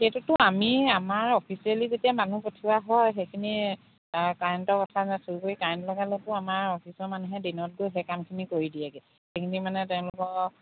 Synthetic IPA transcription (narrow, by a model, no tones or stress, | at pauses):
xetutʊamiamaɹɔpʰisializetijamanupotʰiwaɦɔjxejkʰini | kajɔntɔkɔtʰazɛsoɹukoɹikaɹntlɔɡalɛtʊamaɹɔpʰisɔɹmanuɦɛdinɔt̚ɡojɦɛkamkʰinikoɹidijaɡɛ | xejkʰinimanɛtɛʊ̃lʊkɔ